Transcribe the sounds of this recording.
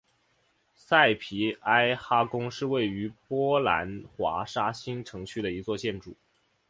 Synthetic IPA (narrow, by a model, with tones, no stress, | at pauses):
sa˥˩ɪpʰi˧˥a˥ɪxa˥kʊ˥ŋʂɻ̩˥˧we˥˩ɪy˧˥pwɔ˥la̰˧˥nxwa̰˧˥ʂa˥ɕi˥ŋʈ͡ʂʰɤ˧˥ŋt͡ɕʰy˥˩d̪ə˩i˧˥t͡swɔ˥˧t͡ɕjɛ˥˧nʈ͡ʂu˥˩˦